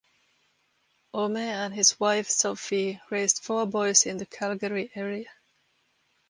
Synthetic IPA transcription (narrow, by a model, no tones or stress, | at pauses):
ʔomeə̃nɪzwaɪfsoʊfiɹeɪzd̥fɔbɔɪzɪ̃nðɨkʰælˠɡəɹiʔɛɹiɨ